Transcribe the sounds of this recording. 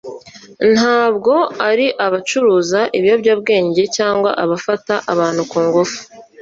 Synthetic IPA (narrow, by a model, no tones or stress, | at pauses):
n̥haːbɡo̞aɾiʔaβat͡ʃuɾuːzaʔiβjobɟab̚ɡe̞ːɲɟe̞caːŋɡwa̰ʔaβafataʔaβaːn̥hukuːŋɡufu̥